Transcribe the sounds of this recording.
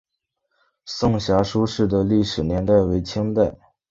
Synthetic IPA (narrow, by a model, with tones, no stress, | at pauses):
sʊ˥˩ŋɕja˧˥ʂu˥ʂɻ̩˥˩d̪ə˩li˥˩ʂɻ̩˨˩njɛ˧˥nt̪a˥˩ɪwe˧˥ɪt͡ɕʰi˥ŋt̪a˥˩ɪ